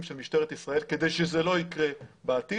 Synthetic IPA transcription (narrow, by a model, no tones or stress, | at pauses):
mʃelmiʃt̪eʁet̪isʁae̞lke̞d̪e̞jʃezelo̞ikʁebaːt̪i